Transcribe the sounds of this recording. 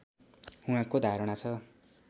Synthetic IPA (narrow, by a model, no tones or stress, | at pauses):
ũãkod̪ʱaɾʌɽ̃at͡sʰʌ